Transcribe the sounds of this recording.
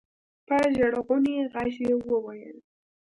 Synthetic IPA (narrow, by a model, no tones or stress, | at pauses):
paʒaɽɣʊneɣaʃewəwajə̰l